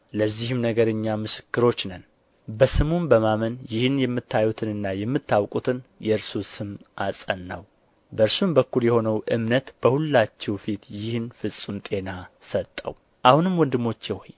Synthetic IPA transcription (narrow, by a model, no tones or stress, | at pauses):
ləzːihɨmnəɡəɾɨɲːamɨsɨ̥kːɨɾo̞t͡ʃːnən | bəsɨmumbəmamənjɪhɨnjɛmːɨt̪ʰːajut̪ʰɨnɨnːajɛmːɨt̪ʰːawkʼut̪ʰɨnjɛɨɾsusɨmʔasʼənːəw | bəɨɾsumbəkːuljɛho̞nəwʔɨmnət̪b̥əhulːat͡ʃːɛwfit̪jɪhɨnfɨsʼːumt̪ʼe̞nasət̪ʼːə̰w | ʔahunɨmwɔnd̪ɨmːo̞t͡ʃːɛho̰j